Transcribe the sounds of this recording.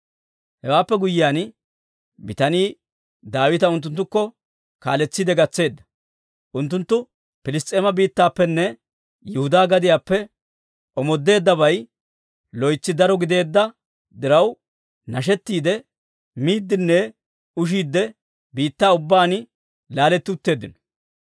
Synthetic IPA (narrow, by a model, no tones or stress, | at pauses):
hɛwaːpːɛɡʊjɪaːn | bɪt̪ɐniː | d̪aːwɪt̪ɐʊnt̪ːʊnt̪̬ːʊkːɔ | ka̰ːlɛt͡sːiːd̪ɛɡɐt͡sːe̞ːd̪ːɐ̥ | ʔʊnt̪ːʊnt̪ːʊ | pɪlɪst̪ʼeːmɐbiːt̪ːaːpːɛnːɛ | jɛhʊd̪aːɡɐd̪ɪjaːpːɛ | ʔɔmɔd̪ːe̞ːd̪ːɐβɐj | lɔjt͡sːɪd̪ɐɾɔɡɪd̪e̞ːd̪ːɐ | d̪ɪɾɐw | nɐʃ̬ɛt̪ːiːd̪ɛ | miːd̪ːɪnːɛ | ʊʃ̬iːd̪ːɛ | biːt̪ːaːʊbːaːn | laːlɛt̪ːɪʊt̪ːe̞ːd̪ːɪnɔ̥